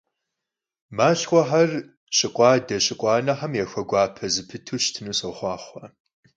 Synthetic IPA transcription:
maːɕxʷɔħar | ɕʼɪqʷʼɑːdɐɕʼɪqʷʼɑːnɐħamjɛxʷɐɡʷɑːpʰɐzɨpʰɨtʰuːɕtʰɨnuːsɐwχʷɑːχʷɐ

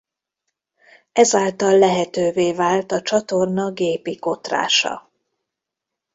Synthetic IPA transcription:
ɛzaːlt̪ɒlːɛɦɛt̪øːveːvaːlt̪ɒt͡ʃɒt̪o̞rnɒɡeːpiko̞t̪ra̰ːʃɒ̰

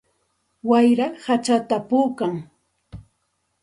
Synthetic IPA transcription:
wajɾahat͡ʃat̪apuːkaŋ

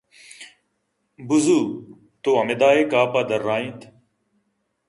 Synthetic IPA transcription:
buzuː | t̪oɐmed̪aːekaːpaːd̪ɐɾːaːĩt̪ʰ

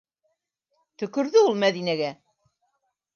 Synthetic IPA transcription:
t̪ɵ̆kɵ̆ɾðɵulˠmæðinæɡæ

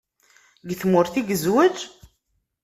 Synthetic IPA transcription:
ɡθmʊɾθiɡəzwəd͡ʒ

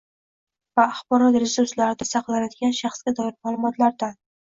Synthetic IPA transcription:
vaːχbɒɾɒt̪ɾɪsʊslaɾɪd̪asɑqlˠanad̪ɪɡʲanʃɑχsɡʲad̪ɒɪɾmaːlˠʊmɒt̪ʰlaɾd̪an

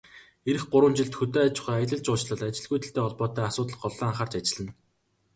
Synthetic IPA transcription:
eɾɘ̆xɢʊɾwə̆nt͡ɕɪ̆ɮt̪xɵt̪eːat͡ɕ̆χuajə̆ɮə̆ɮt͡ɕʊːt͡ɕɮə̆ɮat͡ɕɪ̆ɮɣujt̪ɘ̆ɬt̪eːɔɮpɔːt̪æːasʊːt̪̬ə̆ɮɢɔɮːaːɴχaːrt͡ɕat͡ɕɪ̆ɮɘ̆n

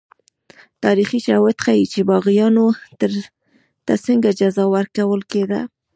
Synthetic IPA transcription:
t̪ɑɾixit͡ʃawat̪xajit͡ʃebɑɣijɑno | t̪asəŋɡad͡ʒazɑwaɾkawəlked̪a̰

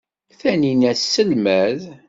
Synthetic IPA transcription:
θæninæsːəlmæð

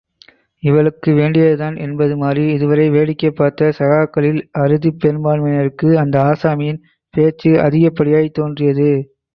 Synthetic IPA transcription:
ɪʋɐɭɯkːɯʋeːɳɖɪjɐðɯðaːnʔɛnbɐðɯmaːriɪðɯʋɐɾɐɪʋeːɭɪkːɐpːaːɾt̪ɐsɐɣaːkːɐɭɪlɐɾɯðipːɛɾbaːnmɐnɐɾɯkːɯɐnd̪ɐaːsaːmɪjɪn | peːt͡ʃːɯɐ̰ðɪɣɐpːɐɽɪjaːjt̪ːoːndrɪjɐðɯ

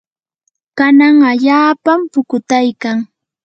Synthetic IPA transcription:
kanaŋaʎaːpampʊkʊt̪ajkaŋ

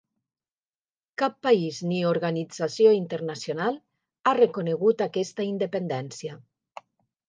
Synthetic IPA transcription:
kapːaiznioɾɣanid͡zasjoint̪eɾnasjonalˠ | arekuneɣut̪akɛst̪aind̪epend̪ɛnsja

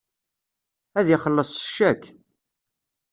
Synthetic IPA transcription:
æðjiχəlːəsˤʃːækː

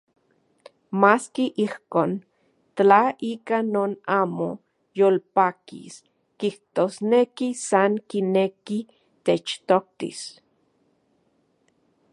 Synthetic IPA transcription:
maːskiʔihkoːn | t̪aiːkanoːnaːmo | jolpaːkḭs | kiht̪osnekisaŋkineki | t̪et͡ʃt̪ok̚t̪ḭs

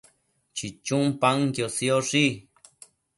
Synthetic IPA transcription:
t͡ʃit͡ʃũmpaŋkjosioʂi

